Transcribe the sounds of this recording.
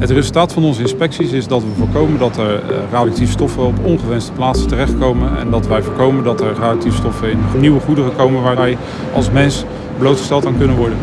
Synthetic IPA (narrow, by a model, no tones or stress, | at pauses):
ɦətrezlˠtaːtfɑnɔnzəɪnspɛksisɪzdɑtʋəvoːɹkowməndɑtɛɹraːdək̚tifstɔfəɔpɔnχəʋɛnstə̥plaːtsətərɛχtkowmənɛ̰ndɑtʋɛjvoːɹkowməndɑtɛɹraːdək̚tifstɔfəɪnniwəχudəχəkowmənʋaːʋɛj | ɑ̰lˠsmɛns | bəlowtχə̥stɛlˠtaŋkɵnənʋɔɹdən